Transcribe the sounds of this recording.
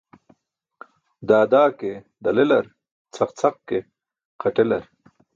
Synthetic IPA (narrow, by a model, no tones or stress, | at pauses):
d̪aːd̪aːke | d̪ɐlelɐɾ | t͡sʰɐqt͡sʰɐq̚ke | qʰɐʈelɐɾ